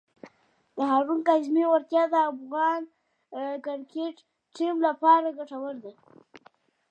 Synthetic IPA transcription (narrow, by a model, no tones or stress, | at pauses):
d̪əɦaɾunkazmewaɾt̪jɑd̪əafɣɑn | kɪɾkeʈ | ʈimlapɑɾaɡaʈawəɾd̪a